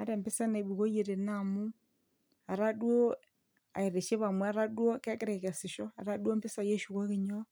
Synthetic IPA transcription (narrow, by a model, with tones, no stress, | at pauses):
a˦ɾe˨mbi˦sa˦ne˨βu˨ɣo˦je˨ɾe˨na˦˨mu˦ | a˨ɾa˦dwo˦ | a̰˨e˨ɾe˨ʃe˦βa˨mwɛ˦a˦ɾa˦dwo˦ke˦ke˦ɾe˨ɣɛ˨si˨ʃɔ˦a̰˨ɾa˦dwo˦mbi˦sa˨je˦ʃu˨ɣo˦ɣi˦ɲo˦